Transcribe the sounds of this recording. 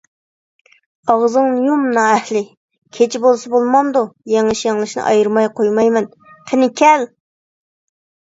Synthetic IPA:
ɑʁzɨŋjumnɑːɛhlɪ | kʲʰet͡ʃʰibolˠsɨbolˠmɑnd̪ujeŋɨʃjɛŋlˠɨʃnɨ̰ʔɑ̰jɨɾmɑjqʰojmɑjmɛn | tʰɪnɪkʲʰɛl

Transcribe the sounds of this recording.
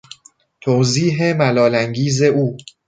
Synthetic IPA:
t̪ʰowziːɦemælɒːlæŋɟiːze̞uː

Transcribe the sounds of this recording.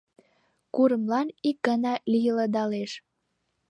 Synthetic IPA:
kuɾəmlɑnik̚ɡənɑlijələd̪ɑleʃ

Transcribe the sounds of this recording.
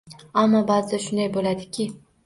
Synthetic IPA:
amːɑbɑzd̪aʃʊnd̪ajbolad̪ɪkʲʰɪ

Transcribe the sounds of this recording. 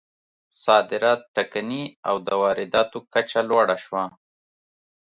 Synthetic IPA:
sɑd̪ɪɾɑt̪̚ʈːakania̰wd̪əwɑɾɪd̪ɑt̪okat͡ʃalwɑɽaʃwa

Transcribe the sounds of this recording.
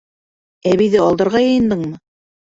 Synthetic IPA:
æβiðɘɑlˠd̪ɤ̆ɾʁɑjɤ̆jɤ̆nd̪ɤɴmɤ

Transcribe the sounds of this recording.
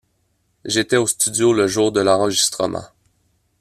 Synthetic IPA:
ʒet̪ɛost̪yd͡zjoləʒuːʁd̪əlɑ̃ʁəʒist̪χəmʔɑ̰̃

